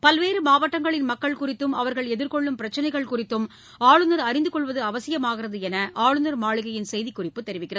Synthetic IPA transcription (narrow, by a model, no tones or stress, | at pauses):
pɐlʋeːɾɯmaːʋɐʈːɐŋɡɐɭɪnmɐkːɐɭkʊrɪt̪ːɯmɐʋɐɾɣɐɭɛðɪɾkɔɭːɯmpɪɾɐt͡ʃːɐnɐɪɣɐɭkʊrɪt̪ːɯm | aːɻɯnɐɾɐɾɪnd̪ɯkɔɭʋɐðɯɐʋɐsɪjɐmaːɣɪrɐðɯɛnɐʔaːɻɯnɐɾmaːɭɪɣɐjɪnsɛjðikːʊrɪpːɯt̪ːɛɾɪʋɪkːɪrɐð